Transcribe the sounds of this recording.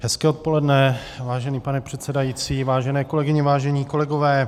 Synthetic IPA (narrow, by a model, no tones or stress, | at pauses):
ɦɛskɛːot̪̚po̞lɛdnɛ | vaːʒɛniːpanɛpr̝̥ɛt̪sɛdajiːt͡siːvaːʒɛnɛːko̞lɛɡɪɲɪvaːʒɛɲiːko̞lɛɡo̞vɛː